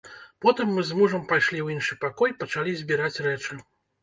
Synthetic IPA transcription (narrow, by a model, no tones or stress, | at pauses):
pɔt̪ɨmːɨzmuʐɐmpajʂlʲiwinʂɨpakɔjpɐt͡ʂalʲizʲbʲiɾat͡sʲrɛt͡ʂɨ